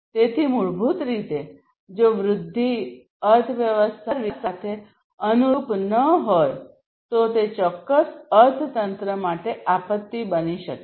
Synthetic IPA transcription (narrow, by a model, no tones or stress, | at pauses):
t̪et̪ʰimuɭbʱut̪ɾit̪e | d͡ʒoʋɾʊd̪ʱːi | əɾt̪ʰʋjəʋəst̪ʰaɾʋisat̪ʰe | ənupnəɦoj | t̪ot̪et͡ʃɔkːəsəɾt̪ʰt̪ənt̪ɾəmaʈeapət̪ːibəniʃə̰ke